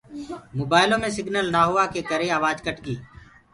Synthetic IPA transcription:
moːbaːɪlõːmẽːsɪɡnəlnaːɦʊʋaːkeːkəɾeːaːʋaːd͡ʒkəʈɡiː

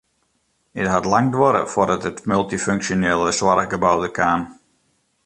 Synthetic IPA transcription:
ɪtɦatlaŋdwɔɾə̰foɾətətmɵlˠtiføŋksjoneːlˠəswarɡəbawdəkʰaːn

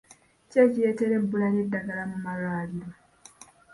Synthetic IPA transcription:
cecije̞ːte̞ɾe̞bːulaledːaɡalamumalwaːliɾo

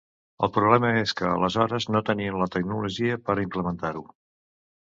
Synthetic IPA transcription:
ə̰lˠpɾuβlɛməeskəːləzɔɾəznot̪əniənlət̪əknuluʒiəpəɾimpləmənt̪aɾu

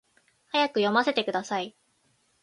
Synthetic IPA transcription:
hajakɯ̟jo̞mase̞t̪e̞kɯ̟d̪asai

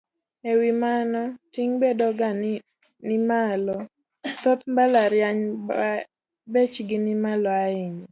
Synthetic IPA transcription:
ewimanɔtiŋbedɔɡan | nɪmalɔ | t̪ɔt̪mbalaɾjaɲ | bet͡ʃɡɪnɪmalɔaɪɲɔ

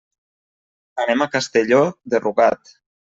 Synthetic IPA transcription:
anemakast̪eʎoðerʔuɣat̪

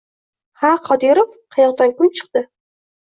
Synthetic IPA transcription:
haqʰɒd̪iɾofqʰɑjɒqd̪ankʰʊmt͡ʃʰɨ̥q̚t̪ɪ

